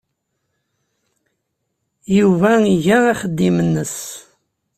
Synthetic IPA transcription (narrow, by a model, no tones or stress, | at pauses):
juvæiʝææχəd̪ːimənːəs